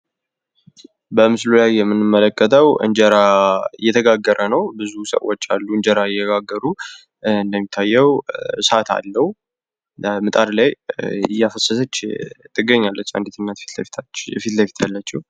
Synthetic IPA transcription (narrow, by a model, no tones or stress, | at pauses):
bəmɨslulajːɛmːɨnːɨmːələkʼːət̪ʰəwɨ̰ɲd͡ʒəɾaɨjːɛt̪ʰəɡaɡːəɾʔənəwbɨzusə̰wot͡ʃːa̰lːuɨɲd͡ʒəɾajɛɡaɡːəɾu | ɨnd̪əmːit̪ʰːajːɛwsat̪ʰa̰lːəh | mɨt̪ʼaɾlajɨjːafəsːəsət͡ʃːt̪ʼʰːɨɡːəɲːalːət͡ʃːa̰nd̪it̪ɨnːat̪t̪lt̪ʰfit̪ləfit̪jalːat͡ʃːɛh